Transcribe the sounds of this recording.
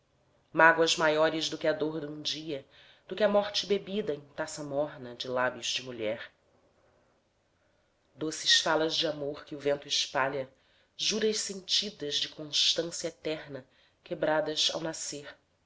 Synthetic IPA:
maɡwɐzmajɔɾɪzd̪ʊkɪɐd̪oɾd̪ũd͡ʒiɐ | d̪̥ʊkʲɪɐmɔχt͡ʃɪbebid̪ɐẽt̪asɐmɔɾnɐd͡ʒɪlabjʊzd͡ʒɪmuʎɛɾ | d̪osɪʃfalɐzd͡ʒɪamoχkɪʊvẽnt̪ʊɪʃpaʎɐ | ʒuɾɐʃsẽnt͡ʃid̪ɐzd͡ʒɪkʰõʃt̪ɐ̃sjɐet̪ɛɾnɐ | kebɾad̪ɐsa̰wnaseɾ

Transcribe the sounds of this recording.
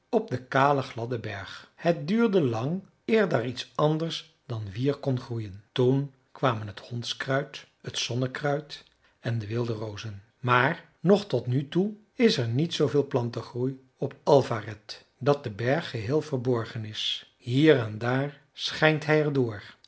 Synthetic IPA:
ɔp̚dəkaːləχlɑdəbɛɹχhət̚dyːɹdəlɑŋ | ɪːɹdəritsɑndəɹs | dɑnʋiːɹkɔnχrujəntun | kʋaːmənɦəthɔnskrœɥt | ətsɔnəkrœɥt | ɛndəʋɪlˠdərowzən | maːɹ | nɔχtɔtnytu | ɪsɛɹnitsowvɪːlˠplɑntəχruj | ɔpɑlˠvarɛt | dɑt̚dəbɛɹχːəɦɪːlˠvəɹbɔɹχənɪs | ɦiːrɛndaːɹ | sχɛjntɦɛjɛɹdʊːɹ

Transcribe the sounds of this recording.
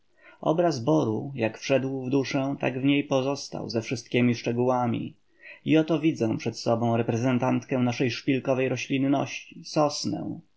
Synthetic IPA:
ʔɔ̰bɾazbɔɾujakfʂɛd̪wvd̪uʂɛ̃t̪a̰ɡvɲejpɔzɔst̪a̰wzɛfʂɘst̪̚kʲemʲiʂt͡ʂɛɡuwamʲḭ | iɔt̪ɔvʲid̪zɛ̃pʂɛt̪sɔbɔ̃w̃ɾɛpɾɛzɛnt̪ant̪kɛ̃naʂɛjʂpʲilkɔvɛjɾɔɕlʲinːɔ̰ɕt͡ɕisɔsnɛ̰w̃

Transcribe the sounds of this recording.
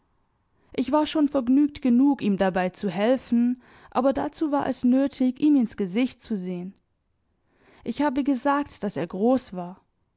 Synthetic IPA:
ʔɪçv̥aːɐʃoːnfɛɐɡnyːk̚tɡ̥ənuːkiːmdabaɪt͡suhɛlfn̩ | ʔa̰ːbɐdat͡suːvaːɐʔɛ̰snøːtʰɪçʔiːmɪnsɡ̥əzɪçt̚t͡suzeːən | ʔɪçhaːbəɡəzaːk̚td̥aseːɐɡʁoːsv̥aːɐ

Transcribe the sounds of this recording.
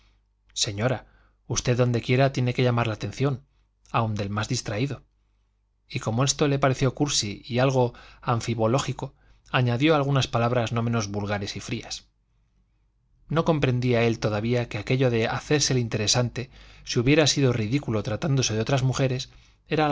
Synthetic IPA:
se̞ɲo̞ɾa | ust̪e̞ðo̞nd̪e̞kje̞ɾat̪je̞ne̞ke̞ʎamaɾlaːt̪e̞n̟θjo̞n | awnd̪e̞lmazðist̪ɾaiðo̞ | iko̞mo̞e̞st̪o̞le̞paɾeθjo̞kuɾsiialɣ̞o̞aɱfiβo̞lo̞xiko̞ | aɲaðjo̞alɣ̞unaspalaβ̞ɾazno̞mẽ̞no̞zβulɣaɾe̞sifɾias | no̞ko̞mpɾẽ̞nd̪iae̞lt̪o̞ðaβiakeake̞ʎo̞ðe̞a̰θe̞ɾselint̪e̞ɾe̞sant̪e̞siuβje̞ɾasiðo̞riðikulo̞t̪ɾat̪and̪o̞se̞ðo̞t̪ɾazmuxe̞ɾe̞s | e̞ɾa

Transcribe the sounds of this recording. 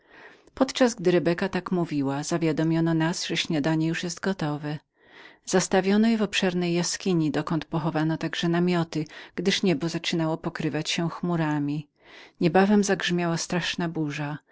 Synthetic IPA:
pɔt̪t͡ʂazɡd̪ɘɾɛbɛkat̪akmuvʲiwazavʲjad̪ɔmʲjɔnɔnasʐɛɕɲad̪aɲɛjuʂjɛst̪ɡɔt̪ɔvɛ | z̥ast̪avʲjɔnɔjɛvɔpʂɛɾnɛjːaskʲiɲid̪ɔkɔnt̪pɔxɔvanɔt̪aɡʐɛnamʲjɔt̪ɘɡ̥d̪ɘʂɲɛbɔzat͡ʂɘnawɔpɔkɾɘvat͡ɕɕɛ̃xmuɾamʲi | ɲɛbavɛmzaɡʐmʲjawast̪ɾaʂnabuʐa

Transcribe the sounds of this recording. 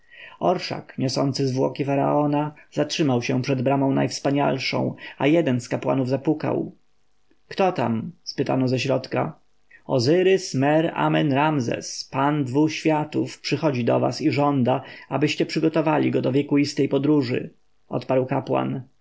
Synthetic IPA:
ɔɾʂa̰kɲɔsɔ̰nt̪sɘzvwɔkʲifaɾa̰ʔɔnaz̥atʂɘmawɕɛ̃pʂɛd̪bɾamɔ̃w̃najfspaɲa̰lʂɔ̰̃w̃ajɛd̪ɛnskapwa̰nuvzapuka̰w | kt̪ɔt̪amspɘt̪a̰nɔzɛɕɾɔt̪ka | ɔzɘɾɘsmɛɾa̰mɛnɾamzɛ̰spand̪vuxɕfʲjat̪ufpʂɘxɔd͡ʑid̪ɔva̰siʐɔnd̪aabɘɕt͡ɕɛpʂɘɡɔt̪ɔvalʲiɡɔd̪ɔvʲjɛkuist̪ɛjpɔd̪ɾuʐɘ̰ | ʔɔ̰t̪paɾwkapwa̰n

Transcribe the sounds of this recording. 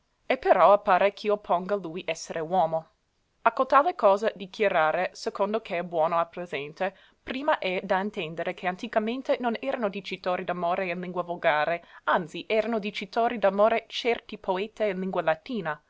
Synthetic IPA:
epeɾɔapːaːɾekʰiopʰoŋɡalujʔɛsːeɾʔewɔːmo | akːot̪alekɔːzad̪ikʰjaɾaːɾesekond̪okʰeɛbwɔːnoalpɾezɛnt̪e | pɾiːmaʔɛd̪aint̪ɛnd̪eɾekʰeant̪ikamẽnt̪enonɛːɾanod̪it͡ʃit̪oːɾid̪amoːɾeinliŋɡwavoɡaːɾeant̪siʔɛːɾanod̪it͡ʃit̪oːɾid̪amoːɾet͡ʃɛrt̪ipʰoeːt̪einliŋɡwalat̪iːna

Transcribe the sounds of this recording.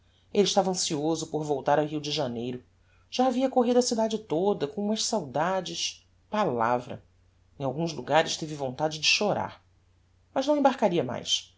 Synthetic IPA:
elɪʃt̪avɐɐ̃siozʊpoɾvowt̪aɾawɦiwd͡ʒɪʒanejɾʊ | ʒ̥aːviɐkoɦid̪ʊɐsid̪ad͡ʒɪt̪od̪ɐkõũmɐʃsawd̪ad͡ʒɪʃ | pala̰vɾɐ̰ | ẽj̃awɡũzluɡaɾɪʃt̪evɪvõnt̪ad͡ʒɪd͡ʒɪʃoɾa̰ɾ | mɐʒnɐ̃wẽbaɾkaɾiɐma̰js

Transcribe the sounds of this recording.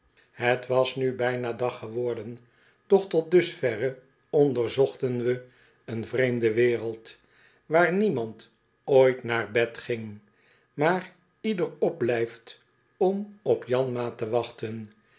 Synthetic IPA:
ɦətʋɑsnybɛjnaːdɑχəʋɔɹdən | d̥ɔχtɔt̚dɵsfɛrə | ɔndəɹzɔχtənʋə | ənvrejmdəʋɪːrəlˠt | ʋaːɹnimɑnt | oːjtnaːɹbɛtχɪŋ | maːr | idərɔb̚blɛjft | ɔmɔpjɑnmaːtəʋɑχtən

